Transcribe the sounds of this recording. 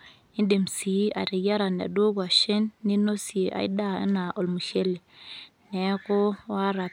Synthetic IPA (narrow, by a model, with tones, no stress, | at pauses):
i˦nde˨msi˨˦a̰˨ɾi˨ja˦ɾa˨n˨a̰˨do˦ka˨ʃe˦nːi˦no˦sje˨ʔa̰˨i˦da˦ḛ˦na˨ʔo˨lmu˨ʃe˦le˨ | nɛ˨˦ko˦wa˦ɾa˨